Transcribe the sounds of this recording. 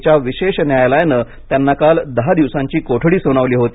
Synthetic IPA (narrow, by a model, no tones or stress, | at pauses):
t͡ɕjaʋiɕeɕnjajlajnə | t̪janːakald̪əɦad̪iʋsãɲt͡ɕiːkoʈʰɽiːsoɽ̃aʋliːɦot̪iː